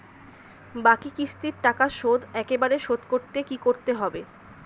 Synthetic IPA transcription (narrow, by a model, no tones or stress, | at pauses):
bakikɾist̪iɾʈakaʃod̪ɛkebaɾeʃod̪koɾt̪ekikoɾt̪eɦɔbe